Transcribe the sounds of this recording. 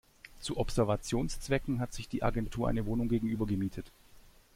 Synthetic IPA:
t͡suʔɔpz̥ɛɐvat͡sjoːnst͡sv̥ɛkŋ̩ɦatz̥ɪçd̥iːʔa̰ɡɛntʰuːɐʔa̰ɪnəvoːnʊŋɡeːɡŋ̩ʔyːbɐɡəmiːtʰət

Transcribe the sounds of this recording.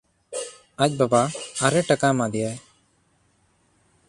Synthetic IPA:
ac̚ˀbabaːɾɛʈakamad̪ɛjaj

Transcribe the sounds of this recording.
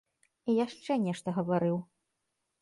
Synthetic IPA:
ijaʂt͡ʂɛnʲɛʂt̪ɐɣɐvaɾɨw

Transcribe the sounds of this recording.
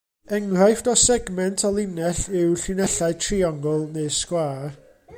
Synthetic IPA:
ɛŋrajfdɔsɛɡmɛntʰɔlˠɪnɛɬɪwɬɨnɛɬaɨtʰriɔŋɡɔlˠneɨskwaː

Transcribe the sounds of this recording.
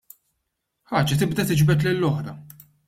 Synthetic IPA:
ħɐːd͡ʒɐt̪ɪbd̪ɐt̪ɪd͡ʒbɛt̪̬lɪlːɔħɾɐ

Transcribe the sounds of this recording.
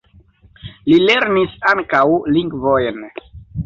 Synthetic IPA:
lileɾnisaŋkawliŋɡvojn

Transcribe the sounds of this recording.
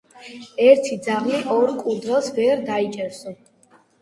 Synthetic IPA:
ɛɾt̪ʰid̪zaʁliʔɔɾkʼud̪ɾɛlˠsvɛɾd̪ait͡ʃʼɛɾsɔ

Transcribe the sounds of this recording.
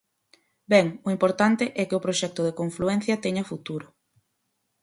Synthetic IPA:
bɛŋʊimpoɾt̪ant̪eʔɛkɪʊpɾoʃɛk̚t̪ʊð̞ekoɱfluɛn̟θjɐt̪ɛɲɐfut̪uɾʊ

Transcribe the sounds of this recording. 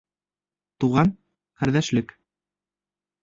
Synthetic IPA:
t̪uʁɑn | qæɾðæʃlɘk

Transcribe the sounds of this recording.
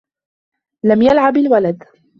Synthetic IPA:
lamjalʕabalwalad̪

